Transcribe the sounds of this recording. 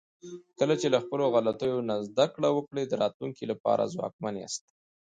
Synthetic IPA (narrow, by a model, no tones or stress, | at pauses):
kəlat͡ʃelaxpəloɣalat̪ujonazd̪akɽawəkɽed̪əɾɑt̪luŋkilapɑ̰ɾa̰zwɑ̰k̚mana̰st̪